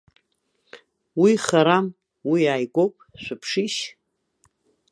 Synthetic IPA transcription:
wiχaɾam | wijaːjkʷʼowpʼʃʷapʰʂiʃ

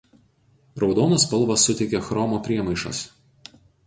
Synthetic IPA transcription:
ɾɒʊd̪oːnospɐlˠˑʋɐsːʊt̪ʲɛɪkʲexɾɔmoːpʲɾʲiɛmɐɪʃɐ̰s

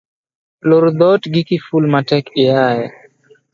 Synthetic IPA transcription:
loɾd̪ɔtɡikifulmatɛkɪjajɛ

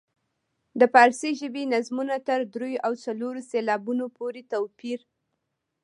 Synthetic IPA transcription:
d̪əpɑɾseʒəbenazmunat̪əɾd̪ɾojoʔawt͡saloɾoselɑbunopoɾet̪awpiɾ

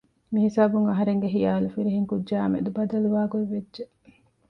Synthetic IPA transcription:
miɦisaːbuŋɐɦɐɾeŋɡeɦijaːlufiɾiɦiŋkudd͡ʒaːɐmḛd̪ubɐd̪ɐluʋaːɡoiʋːedʒe

